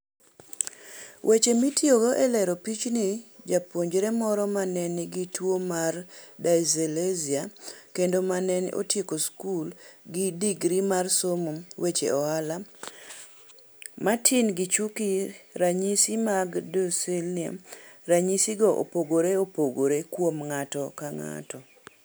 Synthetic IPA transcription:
wʔet͡ʃemitjoɡoʔɛlɛɾopit͡ʃnid͡ʒapoɲd͡ʒɾemɔɾɔmanɛnɪɡitwomardajzeleziakendomanɛnʔo̰tjekoskulɡɪdiɡɾimarsomowet͡ʃḛʔɔala | matʰinɡit͡ʃukiɾaɲisimaɡdoselnia̰ɾaɲisiɡɔʔo̰poɡoɾeopoɡoɾekwomŋatɔkaŋa̰tɔ

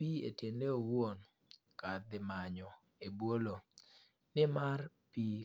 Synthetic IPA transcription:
piḛtendeowon | kad̪ɪmaɲɔ | ebwolo | nɪmarpi

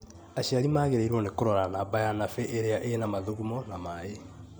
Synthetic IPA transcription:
aɕiaɾimaːɣeɾeiɾwɔnekoɾɔɾanabajanafeʔeɾeaʔenamaðoɣumɔnamae

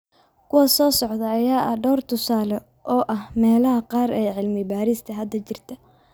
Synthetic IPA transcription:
kʰʊwɐsɔːsɔʕd̪ɐːjaːʔɐhɖɔːrt̪ʰʊsaːlɛ | ʔɔːʔɐhmɛːlɐɦɐqɑːɾɛjʕɪlmɪbaːɾist̪ʰɐɦɐd̪ɐt͡ʃɪrt̪ʰɐ

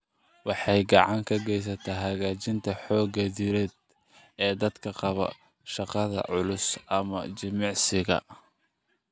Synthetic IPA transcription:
wɑħɑjɡɑʕɑŋkʰɐɡɛjs̬ɐt̪ʰɐɦɐɣaːt͡ʃɪnt̪ʰɐħɔːɡɐdɪɾɛːd̪̚ | ɛːd̪ɐd̪kʰɐqɑβɐ̰ | ʃɑqɑðɐ̰ʕʊlʊsʔɐmɐ̰t͡ʃɪmɑʕsɪɣɐ̰

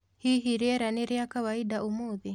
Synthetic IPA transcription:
hiɦiɾiɛɾaneɾiakawaiɗaʔumuði

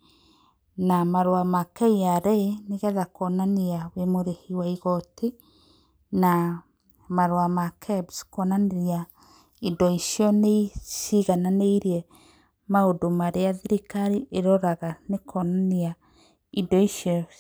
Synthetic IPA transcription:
namaɾwamakɛiaɾɛeneɣɛðakɔnaniawemoɾehiwaiɣɔte | na | maɾwamakʰɛbskwɔnaneɾia | idɔiʃjɔneisiɣananeiɾiɛ | maodomaɾeaðiɾikaɾiʔeɾɔɾaɣanekʰɔnania | idɔiʃiɔ

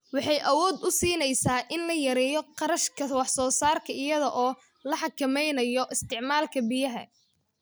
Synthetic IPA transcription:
wɑħɑjʔɐwɔːd̪ʊsiːnɛjsaːʔɪnlɐjɐɾɛːjɔqɑɾɐʃkʰɐwɑħsɔːsaːrkʰɐɪjɐðɐʔɔː | lɐħɑkʰɐmɛjnɐjɔʔɪst̪ʰɪʕmaːlkʰɐbɪjɐɦɐ̰

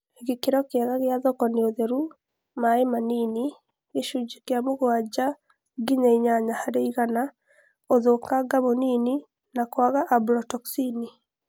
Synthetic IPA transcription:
eɣekeɾɔkeaɣaɣejaðɔkɔneoðeɾu | maemanini | ɣeʃud͡ʒikjamoɣwad͡ʒa | ɡiɲaiɲaɲahaɾeiɣana | oðokaɡaβonini | nakwaɣaʔːblɔtɔksini

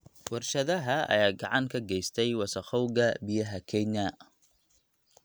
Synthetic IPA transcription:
wɑrʃɐðɐɦɐɐ̰jaːɡɑʕɑŋkʰɐɡɛjst̪ʰɛjwɐsɐχɔwɡɐbɪjɐɦɐkʰɛɲɐ

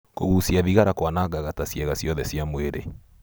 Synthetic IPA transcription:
koɣusiaðiɣaɾakwanaɣaɣatasjɛɣasjɔðɛsjamweɾḛ

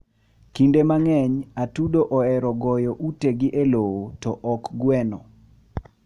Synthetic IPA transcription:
kindemaŋɛɲatudoʔɔɛɾɔɡɔjɔʔuteɡɪʔelowotɔʔɔkɡwɛnɔ

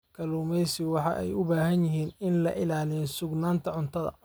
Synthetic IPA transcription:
kʰɐluːmɛjsɪwɑħɑ̰ʔɛ̰jʊbaːɦɐnjɪɦiːnɪnlɐʔɪlaːlɪjɔsʊɡnaːnt̪ʰɐʕʊnt̪ʰɐðɐ̰

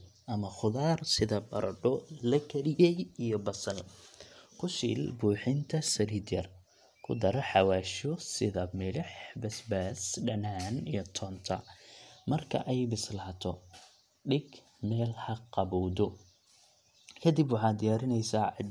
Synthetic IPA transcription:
ʔɐmɐχʊðaːrsɪðɐbɐɾɐɖɔlɐkʰɐlɪjɛjijɔbɐsɐl | kʰʊʃḭːlbuːħɪnt̪ʰɐsɐɾiːd̪jɐr | kʰʊ̰d̪ɐɾɐħɑwaːʃɔsɪðɐmɪlɪħbɐsbaːsɖɐnaːnijɞt̪ʰɔːnt̪ʰɐ̰mɐrkʰɐ̰ʔɛjbɪslaːt̪ʰɔ | ɖɪɡ | mɛːlhɐqɑβɔwdɔ | kʰɐd̪ibwɑħɑːd̪ɪjaːɾɪnɛjsaːɑ

